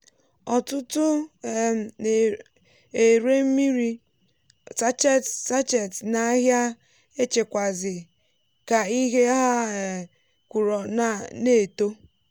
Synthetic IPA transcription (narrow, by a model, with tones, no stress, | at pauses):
ɔ˨tʊ˦tʊ˦˨ | e˨ɾe˦m̩˦mi˦ɾi˦ | sa˦t͡ʃe˦sa˦t͡ʃe˨tna˦ɦja˦ | e˦t͡ʃe˨kʷa˨zɪ˨ | ka˨i˦ɦe˦ɦa˦e˨ | kʷu˨ɾɔ˨na˦˨ne˦˨to˦